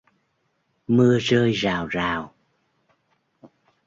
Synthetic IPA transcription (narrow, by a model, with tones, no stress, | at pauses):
mɨ˧əzəː˧jzaː˨˩wzaː˨˩w